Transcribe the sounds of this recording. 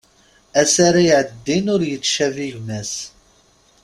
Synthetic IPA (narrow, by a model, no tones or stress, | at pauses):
æsaɾajʕəd̪ːinʊɾjət͡sːʃæviʝnæs